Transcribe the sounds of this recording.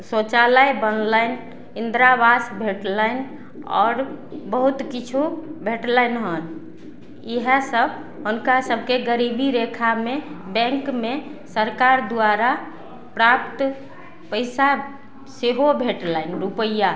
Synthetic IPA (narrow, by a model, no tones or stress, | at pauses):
sot͡ʃaləjbənlaəɪn | ind̪ɾabasbʱeʈləɪn | ɔ̰ːɾbəɦut̪kit͡ʃʰubʱeʈləjnɦən | iɦə̃səbʱ | ɦunkasəbʱkeɡəɾibiɾekʰamebɛ̃ŋkmesəɾkaɾd̪aɾa | pɾap̚t̪ | pəɪsa | seɦobʱeʈlaɪnɾupəja